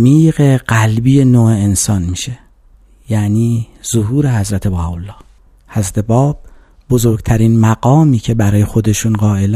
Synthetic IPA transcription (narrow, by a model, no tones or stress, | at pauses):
miːɣe̞ɢ̥ælbiːje̞noːeensɒːnmiːʃe | jæniːz̥oɦuːɾe̞hæzɾæt̪ʰe̞bɒːbolːɒː | hæzɾæt̪ʰe̞bɒːb̥̚ | bozoɾɡt̪ʰæɾiːnmæɡɒːmiːcʰe̞bæɾɒːje̞xo̞d̪e̞ʃunɢɒːʔel